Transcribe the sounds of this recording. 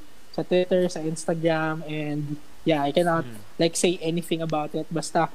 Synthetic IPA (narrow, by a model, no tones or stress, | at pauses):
sɐt̪wɪt̪ɛɹsɐʔɪ̃nst̪ɐɡɹamɛnd̪ | jaajkɛnat̪̚ | lajkseɪʔɛniθɪ̃ŋɐbawt̪ɪt̪̚bɐst̪ɐ